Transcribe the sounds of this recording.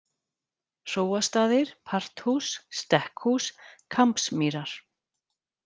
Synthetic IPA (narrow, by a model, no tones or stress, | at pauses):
r̥oːwast̪aːðɪɾ̥pʰar̥t̪husːt̪ɛhkhuskʰampsmiːɾaɾ̥